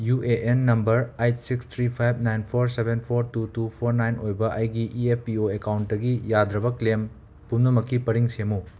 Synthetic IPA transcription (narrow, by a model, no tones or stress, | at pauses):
juʔeʔenːɐmbɐɾajt̚sikst̪ʰɾipʰajb̚ʱnajnpʰoɾsebenpʰoɾtutupʰoɾnajnojbɐʔɐjɡiʔiepːioekawntdɐɡijad̪ɾɐbɐklem | pumnɐmɐkːipɐɾiŋsemu